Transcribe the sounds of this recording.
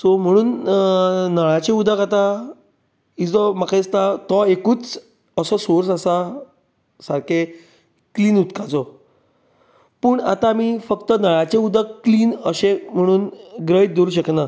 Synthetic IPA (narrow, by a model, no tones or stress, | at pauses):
sɔm̤əɽ̃uːn | nəɭat͡ɕẽud̪ʱəkat̪a | id͡zɔmakãst̪at̪ɔekuːt͡s | əsɔsoɾsasa | saɾkʰe | kliːnut̪kat͡sɔ | puːɳa̰t̪amiːfəkt̪ənəɭat͡ɕẽud̪ʱəkːliːnəɕẽm̤əɽ̃uːnɡɾəit̪̚d̪oɾuːɕəkna